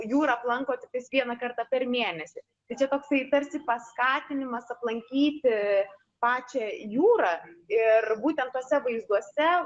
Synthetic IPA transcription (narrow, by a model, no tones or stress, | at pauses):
juːɾɑɐplˠɐŋkoːt̪ʲɪt̪ʲɐɪsʋʲiɛnɐkɐrt̪ɑːpʲɛrmʲeːnʲɛsʲɪ | t̪ɐɪt͡ʃʲɛt̪oːksɐɪt̪ɐɾʲsʲɪpɐskɑːt̪ʲɪnʲɪmɐsɐplˠɐŋʲkʲiːt̪ʲ | pɑːt͡ʃʲɛjuːɾɑːɪrbuːt̪ʲɛnt̪t̪oːsʲɛʋɐɪzd̪uɔsʲɛ